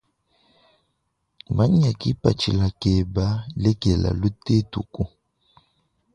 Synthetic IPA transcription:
ba˦ɲ˦a˨ki˦pa˨t͡ʃḭ˨la˨kɛ˨ba˦lɛ˦kɛ˨la̰˨lu˦te˦tu˨ku˦

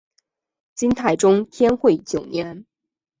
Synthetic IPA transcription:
t͡ɕi˥nt̪ʰa˨˩ɪʈ͡ʂʊ˥ŋt̪ʰjɛ˥nxwe˥˩ɪt͡ɕjo˨˩ʊnjɛ˧˥n

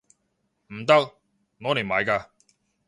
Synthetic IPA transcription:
m̩˨˩t̪ɐ˥k̚ | ŋɔː˨˧˦ne˨˩maː˨˧jkaː˧

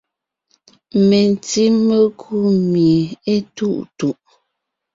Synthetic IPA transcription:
me˨n˨ti˦me˦kʰu˦me˨e˦tu˦˨ʔtu˨ʔ

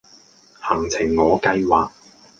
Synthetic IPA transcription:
hɐ˨˩ŋt͡sʰɪ˨˩ŋːɔː˨˧kɐ˧jwaː˨k̚

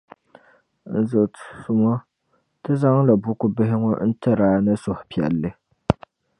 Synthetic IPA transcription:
n̩˨zɨ˨su˦mɔ˦ | tɨ˦za˦ŋla˨bʊ˦kʊ˦bɪ˦ɦɪ˦ŋɔ̰˦n̩˦tɨ˦ɾaː˦nɨ˦sʊ˨hʊ˨pi˨ɛ̰˨lːɨ˦

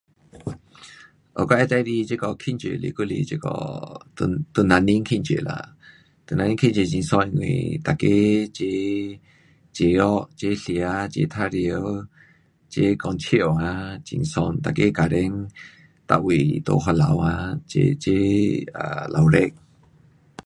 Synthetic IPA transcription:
ʔɔ̰˨kɔ˦ɛ˦t̪a˧jɾi˧t͡ʃe˦kɔ˧˨kʰi˧˨nt͡ʃḛ˨lḭ˧˨ku˦˨lḭ˧˨t͡ʃe˧˦kɔ̰˧t̪t̪u˧˨na˧ni˦ŋkʰi˦˧˨t͡ʃḛ˨la̰˧˨ | t̪u˧˨na˧nĩ˦ŋkʰi˦˥nt͡ʃe˧˨t͡ʃi˧˨ŋsɔ˧n˧ŋwḭ˨t̪a˨ke˦t͡ʃe˧˦ | t͡ʃe˨ɔ˦ʔt͡ʃe˦ɬi˨a˧t͡ʃḛ˧˦t̪ʰa˧˨ɾi˧ə˧w | t͡ʃe˧˦kɔ˧˨nt͡ʃʰi˦ə˨a˧t͡ʃḭ˧ŋsɔ˧nt̪a˨ke˦ka˨ɾɛ˦ŋ | t̪a̰˧˨ʔwi˨t̪o̰˧˨ɦɔ˧la̰˨˧wa˧t͡ʃḛ˧t͡ʃe˦a˧lʔa˨wɾɛ˦k̚

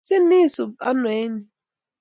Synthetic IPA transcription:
sɪ˦i˦˨sʊ˨ba˦nʊ˨e˦ni˨

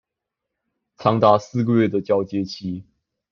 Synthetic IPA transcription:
t͡sʰɑ˥ŋt̪a˥˧sɹ̩˥˧ɡə˨ɥɛ˥˩d̪ə˩t͡ɕjɑ˥ʊt͡ɕjɛ˥t͡ɕʰi˥

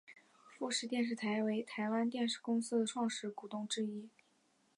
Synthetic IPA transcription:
fu˥˧ʂɻ̩˥˧t̪jɛ˥˧nʂ̬ɻ̩˥˩t̪ʰa˧˥ɪwe˧˥ɪt̪ʰa˧˥ɪwa˥nt̪jɛ˥˧nʂɻ̩˥˩kʊ˥ŋs̩˥d̪ə˨ʈ͡ʂʰwɑ˥˧ŋʂɻ̩˥˩ku˨˩t̪ʊ˥˩ŋʈ͡ʂɻ̩˥i˥

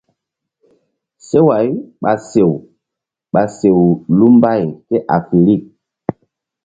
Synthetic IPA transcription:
se˦wa˨˦jɓa˨se˨w | ɓa˨se˨wlu˦mba˦˨jkɛ˦ʔa˨fi˨li˦˨k̚

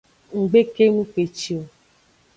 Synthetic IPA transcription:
ŋ̩˨ɡ͡be˦ke˦nũ˦k͡pe˨t͡ʃi˨o˨

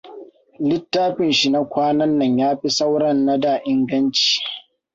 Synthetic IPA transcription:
lɪ˦tːaː˦ɸɪ˨nʃi˨na˦kʷʰaː˦nɐ˦nːɐ˨ɲjaː˦ɸi˦sa˦wɽɐ˦˨nːa˦daː˨ʔɪ˦ŋɡɐ˦nt͡ʃi̥ː˨

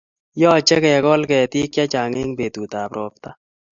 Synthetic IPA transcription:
jɔː˦˨t͡ʃɛ˦kɛ˨kɔ˦lkɛ˨t̪i˦kja˦t͡ʃa˨ŋe˦ŋbe˨t̪u˨t̪a˨pɾoː˨˦pt̪a˦

